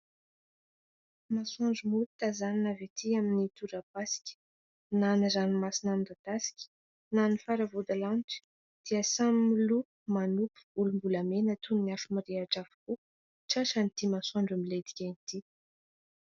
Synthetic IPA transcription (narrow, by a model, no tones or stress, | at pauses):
masɔ̃ɳɖ͡ʐumut̪t̪azaninavet̪ʰiaminit̪uɾapasi̥kʲə̥ | nanazanimasinand̪ad̪asi̥kʲə̥ | nanifaɾavud̪alaniʈ͡ʂə̥ | d̪̥iəsamimilupu̥manupu̥b̥ulumbulamenət̪ʰunniafəmiɾeaʈ͡ʂavu̥ku | ʈ͡ʂaʃanit̪imasɔɳɖ͡ʐumiled̪i̥kʲant̪i